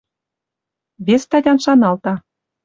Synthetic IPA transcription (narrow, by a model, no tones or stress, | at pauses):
βʲest̪ɑdʲɑnʃɑnɑlt̪ɑ